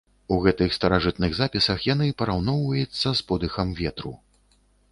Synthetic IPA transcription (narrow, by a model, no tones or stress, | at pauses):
uɣɛt̪ɨxst̪ɐɾaʐɨt̪nɨɣzapʲisɐxjanɨpɐɾawnɔwvɐjut̪sːɐspɔd̪ɨxɐmvʲɛt̪ɾu